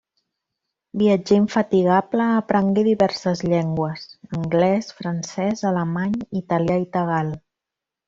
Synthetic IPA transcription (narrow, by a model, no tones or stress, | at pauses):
biəd͡ʒeiɱfət̪iɣ̞apləːpɾəŋɡeðiβɛɾsəzʎɛŋɡwəsəŋɡlɛsfɾənsɛzələmaɲit̪əljait̪əɣ̞alˠ